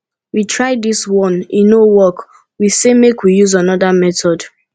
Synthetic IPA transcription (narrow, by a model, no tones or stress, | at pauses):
witʰɹaɪdiswɔ̃nĩnːowɔk | wisemekwijuzanɔdamɛtɔd